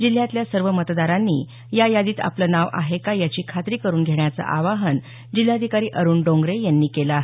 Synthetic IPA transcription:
d͡ʑil̤jãt̪ljasəɾʋəmət̪d̪aɾanːḭː | jajad̪iːt̪a̰plənaʋa̰ɦekajat͡ɕiːkʰat̪ɾiːkəɾuːnɡʱeɳjat͡sa̰ʔaʋaɦən | d͡ʑil̤jad̪ʱikaɾiːʔəɾuːnɖõŋɡɾejanːiːkelaɦe

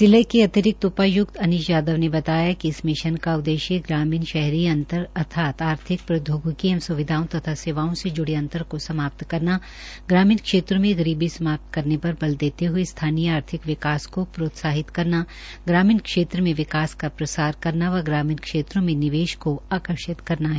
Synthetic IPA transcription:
sɪləjkeɐt̪ɪɾɪk̚t̪ʊpajʊkt̪ɐnɪʃjaːd̪əʋnebɐt̪aːjakiɪsmɪʃənkaʊd̪eːʃjeɡɾaːmiːnʃɛɦɾiɐ̃nt̪əɾɐt̪ʰaːt̪aːɾt̪ʰɪk̚pɾɐd̪ʱjoːɡkiɐ̃msʊʋɪd̪ʱaːõt̪ɐt̪ʰaseːʋaːõsed͡ʒʊɽeɐ̃nt̪əɾkosɐmaːp̚t̪kɐɾna | ɡɾaːmiːnkʃeːt̪ɾõmẽɡɐɾiːbisɐmaːp̚t̪kɐɾnepɐɾbɐld̪eːt̪eɦʊest̪ʰaːnijəaːɾt̪ʰɪkʋɪkaːskopɾoːt̪saːɦɪt̪kɐɾna | ɡɾaːmiːnkʃeːt̪ɾəmẽʋɪkaːskapɾɐsaːɾkɐɾnaʋɐɡɾaːmiːnkʃeːt̪ɾõmẽnɪʋeːʃkoaːkəɾʃɪt̪kɐɾnaɦɛː

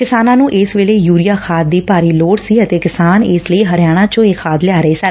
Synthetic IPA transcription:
kɪsaːnãːnũːʔɪsʋeːleːjuːɾijaːkʰaːd̪̚ːiːpaːɾiːloːɽsiːət̪eːkɪsaːnɪsləiːɦəɾjaːɽ̃ãːt͡ʃõːeːkʰaːd̪lɪaːɾəeːsɪn

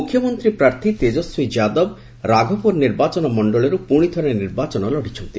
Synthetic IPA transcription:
ukʰːjɔmɔnt̪ɾipɾaɾt̪ʰit̪ed͡ʒɔswid͡ʒad̪ɔb | ɾaɡʱɔpɔɾniɾbat͡ʃɔnɔmɔɳɖɔɭɔɾupuɽ̃id̪ʰʱɔɾeniɾbat͡ʃɔnɔlɔɽit͡ʃʰɔnt̪i

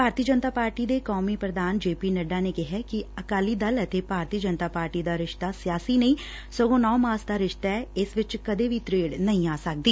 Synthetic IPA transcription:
bʱaːɾt̪iəd͡ʒənt̪aːpaːɾʈiːd̪eːkɔːmiːpɾəd̪aːnd͡ʒeːpiːnəɖaːneːkɪɦɛkɪəkaːliːd̪ələt̪ebʱaːɾt̪iːəd͡ʒənt̪aːpaːɾʈiːd̪aːɾɪʃt̪aːsijaːsiːnəĩː | səɡõːnɔːmaːsd̪aːɾɪʃt̪aɛɪsʋɪt͡ʃkəd̪eːʋit̪ɾeːɖnəɦĩːaːsək̚d̪iː

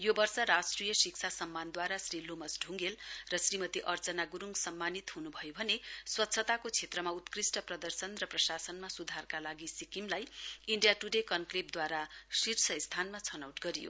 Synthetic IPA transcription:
jobʌrsʌɾasʈrijʌsiksʰasʌmːand̪waɾasrilomʌsɖʱuŋɡelrʌsrimʌt̪iʔʌrt͡sʌnaɡuɾuŋɡsʌmːanit̪ɦunubʱʌjobʱʌneswʌt̪ːsʰʌt̪akot͡sʰet̪rʌmaut̪krisʈʌprʌd̪ʌrsʌnrʌprʌsasʌnmasud̪ʱarkalaɡisikimlajiɳɖijaʈuɖekʌnklip̚d̪waɾasirsʰʌist̪ʰanmat͡sʰʌnʌwʈɡʌɾijo̰

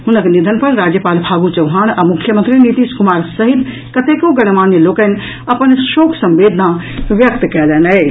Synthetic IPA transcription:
ɦunəknid̪ʱənpəɾɾad͡ʒjəpalbʱaɡut͡ʃəʊɦaːñamukʰjəmə̃nt̪ɾinit̪iskumaːɾsəɦit̪ | kət̪ekoɡəɽ̃manjəlokə̃n | əpənʃoːkʰsə̃mʋed̪ʱnaʋjək̚t̪kɛlɛnɛ

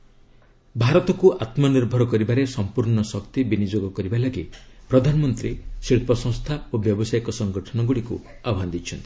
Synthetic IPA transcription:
bʱaɾɔt̪ɔkuʔat̪mɔniɾbʱɔɾɔkɔɾibaɾesɔmpuɾɳɔsɔkt̪ibinid͡ʒoɡɔkɔɾibalaɡipɾɔd̪ʱanɔmɔnt̪ɾisiɭpɔsɔ̃ŋ̃st̪ʰaobjɔbɔsajɔkɔsɔŋɡɔʈʰɔnɔɡuɽikṵ | abɔɦand̪it͡ʃʰɔnt̪i

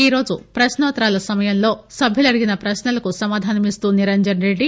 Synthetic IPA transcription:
iːɾo̞ːd͡ʒupɾɐʃnɐʋɐt̪ɾaːlɐsɐmɐjɐmlo̞ːsɐbʱilɐɽiɡinɐpɾɐsnɐlɐkusɐmaːd̪ʱaːnɐmist̪uːniɾɐnd͡ʒɐnɾe̞ɖːi

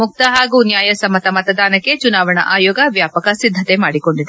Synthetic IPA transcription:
muk̚t̪ɐɦaːɡuːnjaːjɐsɐmɐt̪ɐmɐt̪ɐd̪ʱaːnɐkːe̞t͡ʃunaːʋɐɳɐ̰ʔaːjoːɡɐʋjaːpɐkɐsid̪ʱːɐt̪emaːɽiko̞ɳɖid̪e

